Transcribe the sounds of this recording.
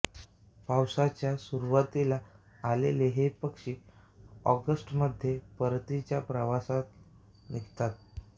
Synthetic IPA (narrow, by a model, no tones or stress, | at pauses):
pawsat͡ɕjasuɾuʋat̪ilaː | leleɦepəkʂiː | ɔɡəsʈməd̪ʱjepəɾt̪it͡ɕjapɾəʋasat̪̚ | niɡt̪at̪̚